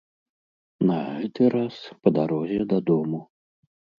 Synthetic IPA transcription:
nɐɣɛt̪ɨɾaspɐd̪aɾɔzʲɛd̪ɐd̪ɔmu

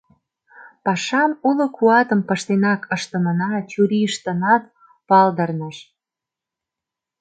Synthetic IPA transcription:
pɑʃɑmulŏkuɑt̪əmpəʃt̪enɑkʰəʃt̪ə̆mənɑt͡ɕuɾiʃt̪ə̆nɑt̪̚ | pɑld̪ərnəʃ

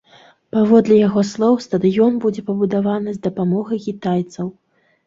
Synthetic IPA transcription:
pavɔd̪lʲɛjaɣɔslˠɔwst̪ɐd̪ɨjɔnbud͡zʲɛpɐbud̪avanɨzd̪ɐpamɔɣɐjkʲit̪ajt̪sɐw

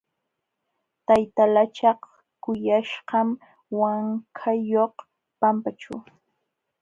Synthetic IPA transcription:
t̪ajt̪alat͡ʃɑχ | kʊjaʃɢɑm | waŋkʰajoχ | pampat͡ʃa̰w

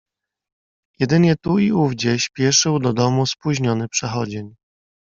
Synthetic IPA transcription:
jɛd̪ɘɲɛt̪uiuvd͡ʑɛɕpʲjɛʂɘwd̪ɔd̪ɔmuspuʑɲɔnɘpʂɛxɔd͡ʑeɲ

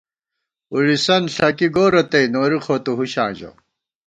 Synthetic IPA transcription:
uɻisɐnɬɐkiɡoːɾɐt̪ɐinoːɾixʰoːt̪uɦuɕã̰ːd͡ʑo̰

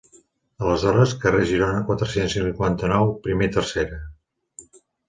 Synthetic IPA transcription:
ələzɔɾəskəreʒiɾonəkwat̪ɾəsensiukwant̪ənɔwpɾimet̪ərseɾə

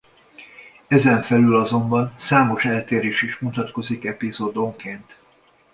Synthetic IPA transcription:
ɛzɛɱfɛlylɒzo̞mbɒnsaːmo̞ʃɛlt̪eːɾeːʃiʃmut̪ɒt̪ko̞zikɛpizoːd̪oŋkeːnt̪

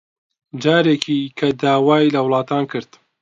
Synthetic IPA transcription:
d͡ʒaːɾeːkʰikʰɐd̪aːwaːjlɐwlˠɑːt̪ʰaːnkʰɨɾd̪

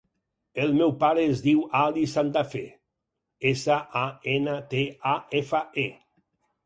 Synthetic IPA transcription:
elˠmewpaɾeːzðiwalisant̪afe | esaʔaenət̪eaefae

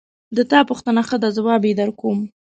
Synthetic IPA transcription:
d̪ət̪ɑpuxt̪ənaxəd̪azawɑbed̪əɾkom

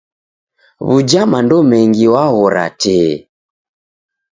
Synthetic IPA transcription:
βud͡ʒamandɔmɛŋɡiwaɣɔɾa̰tɛː

